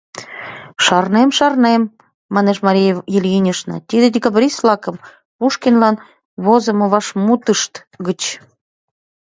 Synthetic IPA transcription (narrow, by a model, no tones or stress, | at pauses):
ʃɑrnemʃɑrnemː | ɑneʃmɑɾʲijejilʲjinʲəʃnɑ̰t̪id̪ed̪ʲikɑbɾʲislɑkə̆m | puʃkinlɑn | βozə̆mɤ̆βɑʃmut̪əʃt̪ | ɡət͡ɕ